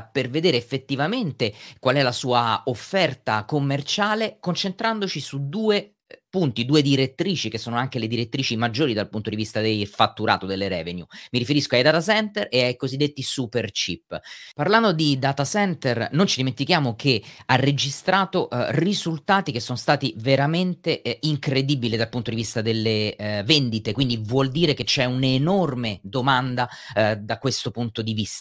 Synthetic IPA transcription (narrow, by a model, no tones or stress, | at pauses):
perved̪eːɾeːfːet̪ːivament̪ekwalɛlasuːaofːɛrt̪akomːert͡ʃaːlekont͡ʃent̪ɾand̪ot͡ʃisud̪uːe | punt̪id̪uːed̪iɾet̪ːɾiːt͡ʃikesːoːnoaŋk̟eled̪iɾet̪ːɾiːt͡ʃimad͡ʒːoːɾid̪alpunt̪od̪ivist̪ad̪elfat̪ːuɾa̰ːt̪od̪elːeɾɛːvenjumiɾifeɾiskoajd̪aːt̪asɛnt̪ereajkozid̪ːet̪ːisupert͡ʃipːparland̪od̪id̪aːt̪asɛnt̪ernont͡ʃid̪iment̪ikjaːmokearːed͡ʒist̪ɾaːt̪orizult̪aːt̪ik̟esːonost̪aːt̪iveɾament̪eiŋkɾed̪ibilid̪alpunt̪od̪ivist̪ad̪elːevend̪it̪ekwind̪ivwɔld̪iːɾeket͡ʃɛunenormed̪omand̪a | d̪akwest̪opunt̪od̪ivist̪ḁ